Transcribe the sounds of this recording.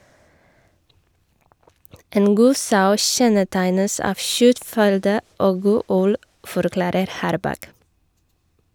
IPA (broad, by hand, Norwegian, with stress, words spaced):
ˈeːn ˈɡuː ˈsɑʉ ˈçɛnəˌtæɪnəs ˈɑːʋ ˈçœtˌfʏldə ˈoːɡ ˈɡuː ˈʉl fɔɾˈklɑːɾəɾ ˈhɑːɾbɑk